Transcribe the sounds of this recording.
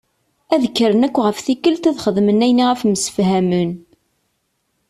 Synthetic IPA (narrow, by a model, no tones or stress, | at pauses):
æðəkːɾənækʷːʁəfθikːəlt̪æðχəðmənæjniʁæfməsə̥fhæmən